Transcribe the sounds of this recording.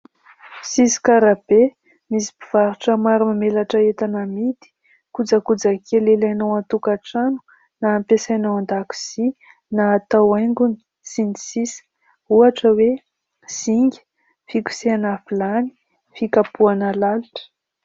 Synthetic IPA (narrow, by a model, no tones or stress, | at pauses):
sisi̥kaɾab̥e | misi̥biv̥aɾuʈ͡ʂəmaɾumamelaʈ͡ʂəet̪anamit̪i̥ | kud͡zakud͡zakelelanowant̪ukaʈ͡ʂanu̥ | naːmpesanawand̪aku̥z̥i | naːt̪awajŋɡuni̥ | sinisisə̥ | uaʈ͡ʂəwe | z̥iŋɡʲi̥ | fikʲu̥seanafilani̥ | fikapuanəlaluʈ͡ʂə̥